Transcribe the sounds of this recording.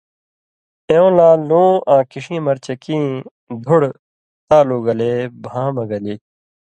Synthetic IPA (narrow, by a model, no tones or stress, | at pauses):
ẽõːlãːlõːʔãːkiʂĩːmɐɾt͡ɕɐkĩː | d̪ʱuɽ | t̪aːluːɡɐleːbʱãːmɐɡɐliː